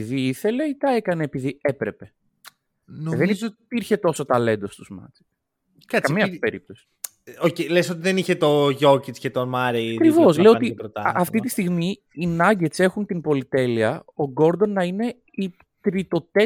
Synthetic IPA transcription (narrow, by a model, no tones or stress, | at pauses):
iðiiθe̞le̞it̪ɐe̞kɐne̞ːpiðie̞pɾe̞pe̞ | ðelipizot̪ipiɾçe̞t̪o̞so̞t̪ɐle̞nd̪o̞st̪uzmɐ̰t͡se̥t̪ | kakɐmiɐpeɾḭp̚t̪o̞si̥ | ocelesot̪iðeniçet̪o̞ʝo̞cit͡scet̪omɐɾeɐkɾivo̞sleot̪iɾot̪ɐɐftt̪it̪ist̪iɣmi | inɐɟe̞se̞xunt̪inpo̞lit̪e̞liɐoɡo̞ɾd̪o̞nːɐine̞ | i | t̪ɾit̪o̞t̪e